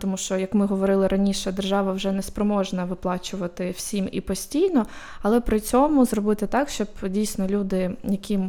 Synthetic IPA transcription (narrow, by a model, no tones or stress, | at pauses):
t̪ɔmuʃt͡ʃɔjɐkmɪɦɔʋɔɾɪlˠɪɾɐnʲiʃɛd̪erʒɑʋɐwʒɛnɛspɾɔmɔʒnɐʋɪplˠɑt͡ʃʊʋɐt̪ɪwsʲimḭpɔsʲtʲijnɔ | ɐlˠɛpɾɪt͡sʲɔmʊzrɔbɪt̪ɪt̪ɑkʃt͡ʃɔbdʲijsʲnɔlʲud̪ɪjɐkʲʰim